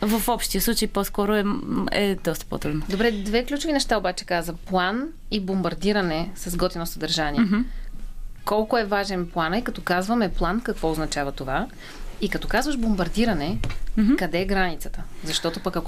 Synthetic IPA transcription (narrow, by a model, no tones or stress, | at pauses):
vɐfɔpʃt̪iəslˠut͡ʃɐipɔskɔɾoɛɛ̰d̪ɔst̪ə̥po̰t̪ɾṵd̪nod̪obɾɛd̪vɛklʲut͡ʃʊvinɛʃt̪aobat͡ʃɛ̥kazvəplˠan | ibombɐɾd̪iɾɐnɛsɐzɡɔt̪vʲinosɐd̪ɐɾʒaniɛ | kɔlˠkoɛvaʒɛnplˠanəikɐt̪ɔkazvɐmɛplˠankɐkvɔoznɐt͡ʃavɐt̪ova | ikɐt̪ɔ̥kazvɐʒbombɐɾd̪iɾɐnɛkɐd̪ɛːɡɾanit̪sət̪əzɐʃt̪ɔt̪opɐkɐk